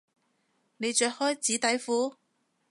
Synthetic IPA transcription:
ne˨˧jt͡ʃœː˧k̚hɔː˥jt͡siː˨˥t̪ɐ˨˥jfuː˨˥

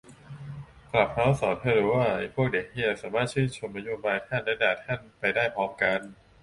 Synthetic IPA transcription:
kla˨˩p̚ha˦˥wsɔː˩˦nt̪ʰɤː˧˩lu˧˦waː˥˩pʰu˥˩ək̚deː˨˩k̚ʔi˥˩əsaː˩˦maː˥˩t̪̚t͡ɕʰɯː˥˩nt͡ɕʰo˧mna˦˥joː˧baː˧jt̪ʰa˥˩nlɛː˦˥daː˨˩t̪ʰa˥˩npa˧jdaː˥˩jpʰɔː˦˥mka˧n

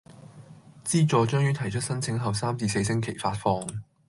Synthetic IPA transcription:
t͡siː˥t͡sɔː˨˧t͡ʃœː˥ŋɥyː˥t̪ʰɐ˨˩jt͡ʃʰɵ˥t̚sɐ˥nt͡sʰɪ˨˥ŋɦɐ˨wsaː˥mt͡siː˧s̬e˧js̬ɪ˥ŋkʰe˨˩jfaː˧tfɔː˧ŋ

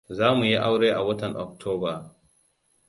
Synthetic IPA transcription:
zaː˦mu˨ji˦ʔa˦wɽeː˦ʔa˨wɐ˦tɐ˨nʔɔ̰˨k̚tʰoː˦baː˨

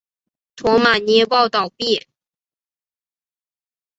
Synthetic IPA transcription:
t̪ʰwɔ˧˥ma˨˩nɛ˥˧pɑ˥˧ʊt̪ɑ˥˩ʊpjɛ˥˩

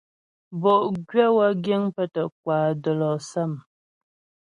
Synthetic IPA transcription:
bɔ˨ʔɡɥɛ˦wa˦ɡje˦ŋpə˦tə˨k̚waː˨də˨lɔ˨sa˦˨m

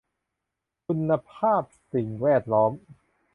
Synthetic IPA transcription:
kʰu˧nːa˧pʰaː˥˩p̚si˨˩ŋwɛː˥˩t̪̚lɔː˦˥m

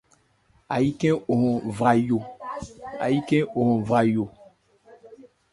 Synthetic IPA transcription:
a˨ji˦kɛ̃˦o˨hɔ̃˨vɾa˨jo˨ | a̰˨ji˦kɛ̃˦o˨hɔ̃˨vɾa˨jo˨

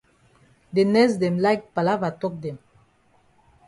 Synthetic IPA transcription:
de˨nɛs̬dɛ̃˨mla˦jk̚pa˨la˦va˨tɔ˦k̚dɛ̃˨m

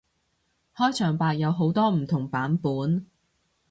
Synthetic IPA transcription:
hɔː˥jt͡ʃʰœː˨˩ŋpaː˧k̚jɐ˨˧wɦo˨˥wt̪ɔː˥m̩˨˩t̪ʰʊ˨˩ŋpaː˨˥npuː˨˥n

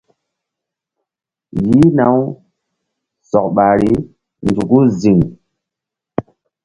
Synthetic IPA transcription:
ji˦na˨˦w | sɔ˨k̚ɓa˨ɾi˦ | nd͡zu˨ku˦zi˨ŋ

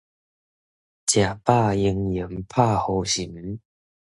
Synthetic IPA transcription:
t͡ɕja˨˩pa˥˧i˧ŋji˨˦mpʰa˥˧ho˧ɕi˨˩˦m

